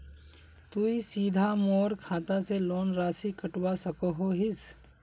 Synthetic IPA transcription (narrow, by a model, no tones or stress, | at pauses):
t̪uisiːd̪ʱamoːɾkʰaːt̪aseloːnɾaːsikəʈwasɐkoɦoɦɪs